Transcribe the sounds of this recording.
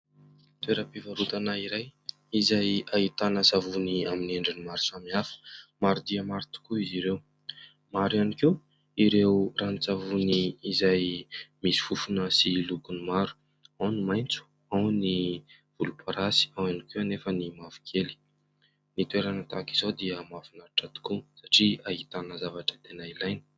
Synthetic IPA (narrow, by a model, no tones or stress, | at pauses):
t̪weɾəpivaɾut̪anaiɾaj | izajait̪anəsavuniamineɳɖ͡ʐinimaɾu̥samiafə̥maɾud̪iəmaɾit̪u̥kuiziɾew | maɾaniki | iɾewranit͡savuniːzajmisi̥fufunəsilukunimaɾu̥ | awnimajnt͡su̥ | awni | v̥ulupʰaɾasi̥awanikianefənimavu̥kʰeli̥ | nit̪ueɾanat̪akiz̥od̪iəmavunaɾiʈ͡ʂat̪u̥kusaʈ͡ʂiaɦit̪anəzavaʈ͡ʂət̪enailajni̥